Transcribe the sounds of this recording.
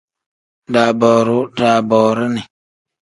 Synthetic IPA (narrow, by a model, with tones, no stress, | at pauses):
da˨bɔ˨ɾu˦da˨bɔː˨ɾu˦ni˨